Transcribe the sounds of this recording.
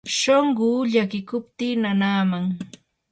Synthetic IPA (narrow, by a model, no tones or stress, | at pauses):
ʃoɴɢʊːʎakɪkʊpt̪iːnanaːmaŋ